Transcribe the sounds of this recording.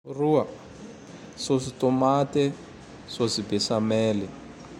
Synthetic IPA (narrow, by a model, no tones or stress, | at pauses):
ruwa | sositɔmatɛ | sosibɛsamɛːlɛ